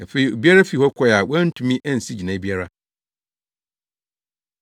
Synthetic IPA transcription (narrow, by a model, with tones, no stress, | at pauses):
æ˨fe˦i˨o˨bi˦a˦ɾa˦fi˨hɔ˦kʰɔ˦ja˨wã˦n̩˦tʰũ˨mĩ˦ʔæ˦n̩˨si˦d͡ʑi˨nã˨˦bi˦a˦ɾa˦